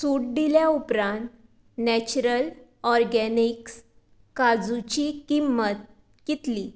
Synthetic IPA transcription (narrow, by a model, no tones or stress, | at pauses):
suʈ̚ɖ̪iljaupɾãnt̪ | næt͡ɕuɾəlɔɾɡɛniks | kad͡zut͡ɕikimːət̪̚ | kit̪li